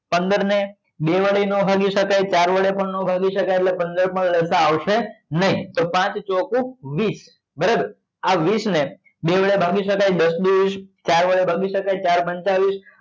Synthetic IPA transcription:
pənd̪əɾne | beʋəɭenəbʱaɡiʃəkajt͡ʃaɾʋəɭepəɳnobʱaɡiʃəkajeʈlepə̃nd̪əɾpəɳləsaːʋʃenəɦĩt̪opãt͡ʃt͡ʃɔkũʋis | bəɾabəɾ | aʋisne | beʋəɭebʱaɡiʃəkajd̪əsd̪iʋist͡ʃaɾʋəɭebʱaɡiʃəkajt͡ʃaɾpəɲt͡ʃaʋis

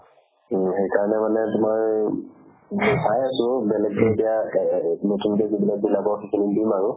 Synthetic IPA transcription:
xejkaɹɔnɛmanɛtʊmaɹ | sajasʊ̃bɛlɛɡbɛdija | motʰiŋdazibilaɡ̚bilabɔkʰikʰinimdimaɹʊ

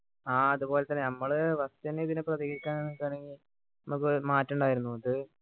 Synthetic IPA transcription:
aːɐðubo̞ːlet̪ːɐnːenɐmːɐɭɨʋɐst̪ɐneðinɨprɐðiɣɐɾikʲːaːnenkːaːɳeŋɡil | nɐmuk̬ːɨmaːtːuɳɖaːjiɾunːuɐðɨ

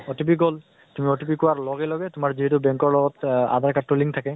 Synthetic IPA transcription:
otipiɡol | tumiɔtipikɔwaɹlɔɡɛlɔɡɛtʊmaɹziɦɛtʊbɛŋkɔɹlɔɡɔta̰dʱaɹkatːuliŋtʰakɛ

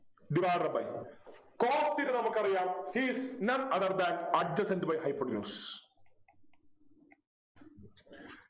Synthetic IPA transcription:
ɖ̪iʋaːɐbɐ̰j | koːst̪iɾɨnɐmukːɐrijaːmhiːsnɐnɐðɐɾd̪aːnɐd͡ʑɐsɐndɨbɐjhɐjpːoɖnʲjuːs

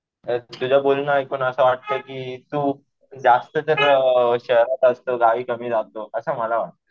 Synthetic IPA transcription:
ət̪ud͡ʑʱabolnaikoɳəsəʋaʈ̚t̪əkiːt̪uː | d͡zast̪ət̪əɾəɕəɦɾat̪əst̪oɡaʋiːkəm̤iːd͡zat̪oʔəsəməlaʋaʈ̚t̪ə

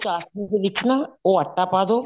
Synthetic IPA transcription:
t͡ʃaːsnĩːd̪eːʋɪt͡ʃnaːoːəʈːaːpaːd̪oː

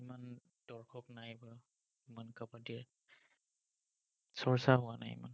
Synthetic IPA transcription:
iman | d̥ɔɹkʰɔknajba | imankapadiɛɹ | sɔɹsaɦʊwana̰jḭma̰n

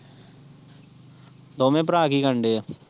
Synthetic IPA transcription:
d̪oːmẽːp̬ɾaːkiɡəɳɖeːɛː

